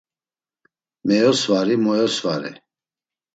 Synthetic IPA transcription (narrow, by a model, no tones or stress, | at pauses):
mɛjɔsvaɾimɔjɔsvaɾɛ̰